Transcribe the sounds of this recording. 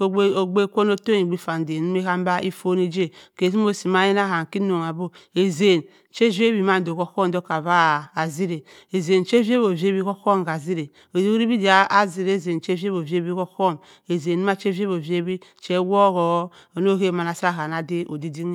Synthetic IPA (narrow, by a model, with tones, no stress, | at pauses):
o˨˦o˨ɡ͡be˦kʷo˦n˦o˦to˦ni˨ɡ͡bi˦fa˨n˨de˨nu˦m˦e˦ka˦m˦ba˦ʔi˦fo˦ni˦d͡ʒe˦˨ke˨si˦m˦o˦si˨ma˦je˦n˦a˦˨ha˨ŋ˨ki˦no˨ŋa˨bo˦e˨ze˨n | t͡ʃe˦vi˦e˦bi˨ma˦n˨do˨ko˦ko˦m˨do˦ka˨βaː˦˨zi˦ɾe˨ | e˨ze˨nt͡ʃe˦ve˦bo˨ve˦bi˦ko˦ko˦˨m˨ɡa˨zi˦ɾe˨ | o˨i˦ɾi˦bi˦di˨a˦a˦zi˨ɾe˦˨ze˨nt͡ʃe˦vi˦e˦o˨ve˦bi˦ko˦ko˦˨m | e˨ze˨nu˦ma˦t͡ʃe˦vi˦e˦bo˨vi˦e˦bi˦t͡ʃe˦wo˦ɣo˨˦ | o˨no˦ke˦˨ma˨na˨sa˦˨ka˨na˨de˦ʔo˨di˦di˦ŋ˦